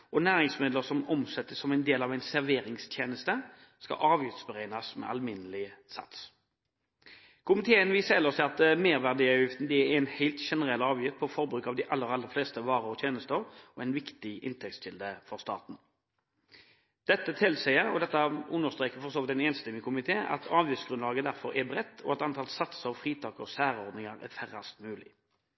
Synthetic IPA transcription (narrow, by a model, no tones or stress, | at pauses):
ʔɔnæːɾɪŋsmɪd̪ləʁsɔmɔmsɛt̪ːəsɔmæɪnd̪eːlɑːʋæɪnsæʁʋeːɾɪŋst̪ʰjeːnəst̪ə | skɑ̰ʔɑːʋjɪft̪sbəɾæɪnɑsmɛ̰ʔɑ̰lmɪnəlɪsɑ̰t̪s | kʰʊmɪt̪ʰeːənʋiːsəɛlːɔst̪ɪɑt̪meːɾʋæʁd̪iɑʉjɪft̪n̩d̪ɪæænhæɪlt̪ʃɛnəʁɛlɑːʋjɪft̪̚pʰɔfɔɾbɾʉːkɑʋd̪ɪʔɑlːəɾɑlːəɾfleːst̪əʋɑːɾəɔt̪ʰjeːnəst̪əɾɔɛɪnʋɪkt̪ɪʔɪ̰nt̪ʰɛk̚t̪sʃɪld̪əfɔʁst̪ɑ̰ːt̪n̩ | d̪̥ɛt̪ːət̪ʰɪlsæɪəɾɔd̪ɛt̪ːəʉnːəʁst̪ʁeːkəfɔɾʁsoːʋɪt̪ːɛnɛːnst̪ɛmːɪŋkʰʊmɪt̪ʰeːʔɑ̰t̪ʰɑːʋjʉfsɡɾʉnlɑːɡəd̪æɾfɔɾɛbʁɛt̪ːɔ̰ɛt̪ɑnt̪ʰɑːlsɑt̪səɑʋfʁiːt̪ʰɑːkəɔsæːɾəɔʁd̪nɪŋəɾæ̰ɾfæɾɑst̪mʉːlɪ̰